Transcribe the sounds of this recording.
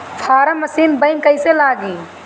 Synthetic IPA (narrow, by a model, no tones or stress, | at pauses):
pʰaːɾəmɐsiːnbəɪŋkəɪselaːɡiː